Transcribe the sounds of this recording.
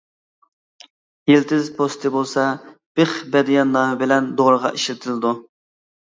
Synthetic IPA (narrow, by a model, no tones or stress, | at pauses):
jilt̪ɪzpʰost̪ʰɨbolˠsɑb̥eχbɛd̪ijɑnːɑɦbɪlɛnd̪oʁɾəʁɑ̰ʔiʃlɪt̪ʰɪlɪd̪u